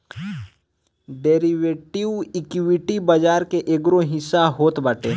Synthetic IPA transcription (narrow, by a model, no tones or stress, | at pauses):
ɖeːɾiʋeːʈiʋɪkwɪʈibɐd͡ʒaːɾkeʔeɡɾoɦɪsːaɦoːt̪bəʈeː